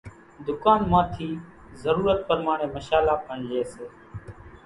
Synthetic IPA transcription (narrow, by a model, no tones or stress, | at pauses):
d̪ʊkaːnmãːt̪ʰiː | zəɾuːɾət̪̚pəɾmaːɳẽːməʃaːlaːpəɳleːseː